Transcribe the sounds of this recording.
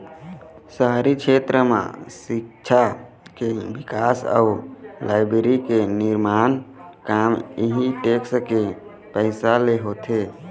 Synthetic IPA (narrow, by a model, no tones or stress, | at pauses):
səɦɾikt͡ʃʰet̪ɾəmḛsikt͡ʃʰa | kebikasə̰ulaɪbeɾikeniɾmankamiɦiʈekske | pəɪsaleɦot̪ʰe